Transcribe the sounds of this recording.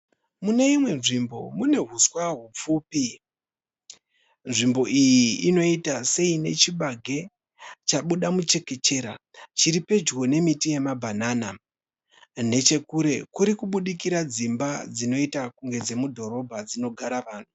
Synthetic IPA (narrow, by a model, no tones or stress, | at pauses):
muneimwe̞nʐimbo̞̰mune̞ɦuswaɦup͡fuːpi | nʐimbo̞ʔijiino̞itase̞ine̞t͡ʃiɓaɡʱe̞ | t͡ʃaɓuɗamut͡ʃe̞ke̞t͡ʃe̞ːɾat͡ʃiɾipe̞d͡ʒɡo̞ne̞mitije̞mabʱanaːna | ne̞t͡ʃe̞kuɾe̞kuɾikuɓuɗikiɾad͡zimbad͡zino̞itakuŋɡe̞d͡ze̞mudʱo̞ɾo̞bʱad͡zino̞ɡʱaɾaʋaːn̤u